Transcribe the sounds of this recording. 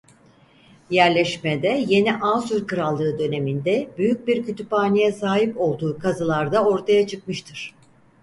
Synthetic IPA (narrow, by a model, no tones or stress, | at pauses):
jæɾlʲɛʃmed̪ɛje̞niʔaːsyɾkɯɾalˠːɯːd̪ø̞ne̞mind̪ɛbyjyc̚biɾcyt̪ʰypaːnijɛsaːɦipo̞lˠd̪uːkʰazɯlˠaɾd̪ao̞ɾt̪ʰajat͡ʃʰɯkmɯʃt̪ʰɯɾ̥